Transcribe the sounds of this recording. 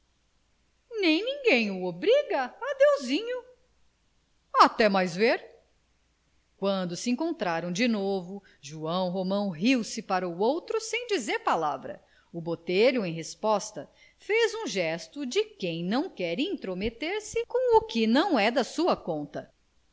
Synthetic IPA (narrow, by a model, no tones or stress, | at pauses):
nẽj̃nĩŋɡẽj̃ʊobɾiɡɐad̪ewzĩɲʊ | at̪ɛmajzveɾ | kwɐ̃nd̪ʊsɪẽŋkõnt̪ɾaɾɐ̃w̃d͡ʒɪnovʊ | ʒuɐ̃w̃ɦomɐ̃w̃ɦiwsɪpaɾɐuowt̪ɾʊsẽj̃d͡ʒizeɾpalavɾɐ̰ | ʊbot̪eʎʊẽj̃ɦespɔst̪ɐ | fezũʒɛst̪ʊd͡ʒɪkẽj̃nɐ̃w̃kɛɾĩt̪ɾomet̪eɾsɪkõw̃ʊkɪnɐ̃w̃ɛd̪ɐsuɐkõnt̪ɐ